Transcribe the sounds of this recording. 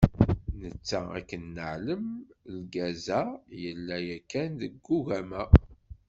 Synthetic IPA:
nət͡sːææ̰kːənːəʕləmlɡæzæjəlːæjækːænðəɡːuʝæmæ

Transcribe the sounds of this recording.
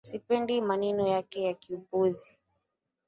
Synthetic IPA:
sipɛndimanɛnɔjakɛjakiupuzi

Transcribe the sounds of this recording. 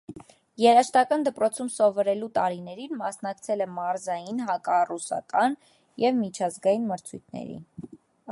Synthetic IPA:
jɛɾɑʃt̪ɑkɑnd̪əpɾɔt͡sʰumsɔvɔɾɛlut̪ɑɾinɛɾinmɑsnɑkt͡sʰɛlɛmɑɾzɑjinɦɑkɑrusɑ̰kɑn | jɛvmit͡ʃʰɑzɡɑjinməɾt͡sʰujt̪ʰnɛ̰ɾḭ

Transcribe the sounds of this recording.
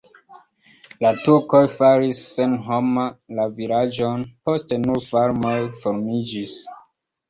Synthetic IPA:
latuɾko̞jfaɾisːenɦomalaviɾad͡ʒonpo̞stenuɾfaɾmojfoɾmid͡ʒis

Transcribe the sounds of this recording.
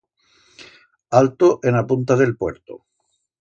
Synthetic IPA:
alt̪oʔenapunt̪aðe̞lpwe̞ɾt̪o̰

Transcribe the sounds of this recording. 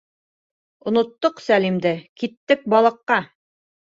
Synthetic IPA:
ŏnŏt̪ːoqsælimd̪ɘkit̪ːɘk̚bɑlˠɤ̆qːɑ

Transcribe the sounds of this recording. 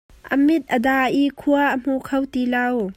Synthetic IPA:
ʔɐmit̪̚ʔədaːʔikʰuaʔːm̥ukʰɐwt̪ilɐw

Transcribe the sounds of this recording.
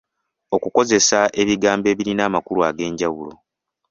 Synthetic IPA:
o̞kuko̞ze̞sae̞βiɡaːmbe̞ːβiɾinaːmakuluaɡe̞ːɲɟawulo̞̰

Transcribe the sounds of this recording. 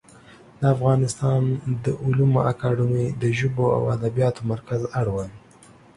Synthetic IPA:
d̪əafɣɑnɪst̪ɑnd̪əʔʊlumoʔakɑɖəmid̪əʒʊboa̰wad̪abijɑt̪omaɾkazaɽwəl

